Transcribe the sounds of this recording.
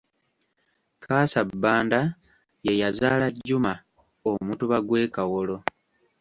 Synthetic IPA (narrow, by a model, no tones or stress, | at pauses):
kʰaːsabːaːnda | je̞jazaːlaɟːuma | omutuβaɡwe̞ːkawolo̞